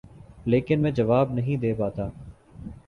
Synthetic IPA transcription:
leːkɪnmɛ̃ːd͡ʒəʋaːbnəɦĩːd̪eːpaːt̪aː

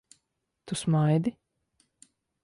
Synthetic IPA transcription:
t̪usmajd̪i

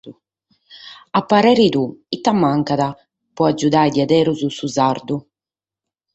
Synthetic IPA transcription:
apːaɾɛːɾid̪uit̪ːamːaŋkaða | pɔad͡ʒːud̪aːjd̪iad̪ɛːɾuzusuzaɾd̪u

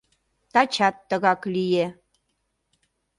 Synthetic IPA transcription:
t̪at͡ʃʰat̪ːəɣaklije

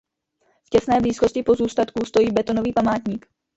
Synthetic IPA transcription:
fcɛsnɛːbliːsko̞scɪpo̞zuːst̪at̪kust̪o̞jiːbɛt̪o̞no̞viːpamaːt̪ɲiːk

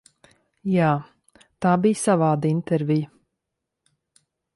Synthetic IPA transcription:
jaː | t̪aːbijsavaːd̪int̪ɛɾvijə

